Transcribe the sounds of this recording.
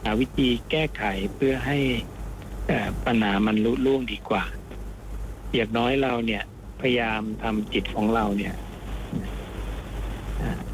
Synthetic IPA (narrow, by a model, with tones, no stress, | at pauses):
aː˩˦wi˦˥t̪ʰiː˧kɛː˥˩kʰa˨˩˦jpʰɯ˥˩ɐɦa˥˩j | ʔaː˨˩pa˧nhaː˩˦ma˧nlu˦˥luː˥˩əŋdiː˧kwaː˨˩ | ji˨˩ək̚nɔː˦˥jɾa˧wni˥˩ɐ | pʰa˧jjaː˧mt̪ʰa˧mt͡ɕi˨˩t̪̚kʰɔː˩˦ŋɾa˧wni˦˥˩ɐ | na˧˥ | ʔaː˧˩